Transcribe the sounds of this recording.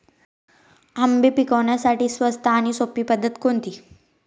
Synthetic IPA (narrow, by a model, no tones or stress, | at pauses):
əmbepikəʋɳjasaʈiːsʋəst̪ʰaːɽ̃isopiːpəd̪ʱːət̪kont̪iː